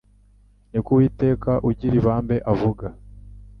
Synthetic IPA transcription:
nikuwiːte̞ːkaʔuɟiɾiβaːmbe̞ʔavuɡa

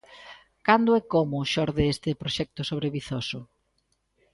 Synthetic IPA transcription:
kand̪ʊɛkomʊʃɔɾðeest̪ɪpɾoʃɛk̚t̪ʊsoβɾeβiθosʊ

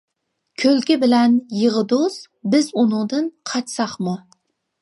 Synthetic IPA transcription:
kʲʰɵlkʲɪbɪlænjɨʁɨd̪os | bɪzʊnʊŋd̪ɨnqʰɑt̪sɑχmʊ

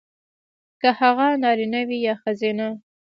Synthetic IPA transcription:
kahaɣanɑɾinawijɑxazena

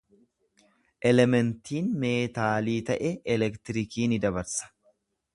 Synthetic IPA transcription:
ʔɛlɛmɛnt̪iːnme̞ːt̪aːliːt̪ɐʔɛɛlɛkt̪ɪɾɪkiːnɪd̪ɐbɐɾsɐ̥

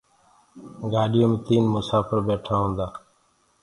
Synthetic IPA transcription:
ɡaːɗɪjõːmẽt̪iːnmʊsaːfəɾbeːʈʰaːɦõːnd̪aː

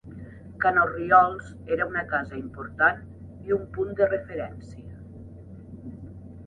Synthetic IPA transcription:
kanoriɔlˠz | eɾəunəkazəimpuɾt̪an | iumpund̪ərefeɾɛnsiə

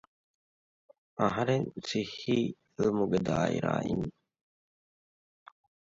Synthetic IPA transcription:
ɐɦɐɾeŋsihːiː | lmuɡed̪aːḭɾa̰ːʔḭn

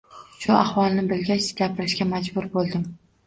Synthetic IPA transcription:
ʃʊahwɒlˠnɪbɪlɡʲat͡ʃ̪ɡʲapʰɪɾɪʃkʲamad͡ʒbʊɾbolˠd̪ɪm

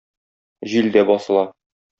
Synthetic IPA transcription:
ʑild̪æbɒsɤ̆lˠɑ

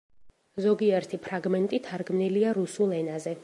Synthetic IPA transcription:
zɔɡiɛɾt̪ʰipʰɾaɡmɛnt̪ʼit̪ʰaɾɡmniliaɾusulˠɛnazɛ

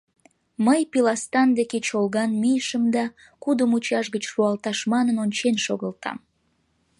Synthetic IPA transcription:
məjpilɑst̪ɑnd̪eket͡ɕolɣɑnmijʃəmd̪ɑ | kud̪əmut͡ɕɑʃɣət͡ɕʃuɑlt̪ɑʃmɑnənonʲt͡ɕenʃoɣəlt̪ʰɑ̰m

